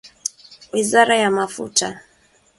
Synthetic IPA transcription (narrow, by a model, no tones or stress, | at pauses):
wizaɾajamafṵtʰa